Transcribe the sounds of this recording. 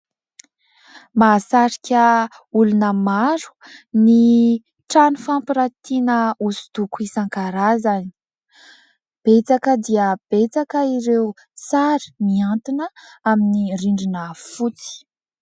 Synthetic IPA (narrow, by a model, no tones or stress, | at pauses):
masaɾikʲə | ulunəmaɾu̥ni | ʈ͡ʂanufampiɾat̪inəusu̥t̪ukuisaŋkaɾazani̥ | b̥et͡sakəd̪iəb̥et͡sakəiɾeu | t͡saɾi̥miant̪inəaminiriɳɖ͡ʐinəfut͡si̥